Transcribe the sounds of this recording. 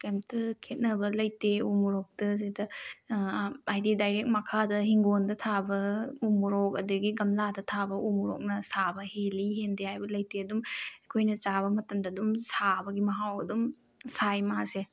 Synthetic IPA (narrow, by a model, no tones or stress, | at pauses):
kemtɐkʰet̚nɐbɐlɐjteumuɾɔk̚tɐs̬idɐ | ajdidajɾek̚mɐkʰadɐɦiŋɡondɐtʰabɐumuɾɔk̚ɐdɐɡiɡɐmladɐtʰabɐumuɾɔ̰k̚nɐsabɐheliɦendehajbɐlɐjteɐdumekʰojnɐt͡ʃaβɐmɐtɐmdɐdumsabɐɡimɐɦawɐdum | sajmase